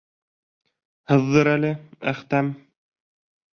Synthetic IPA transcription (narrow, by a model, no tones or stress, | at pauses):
hɤ̆ðːɤɾælɘæ̰χt̪æm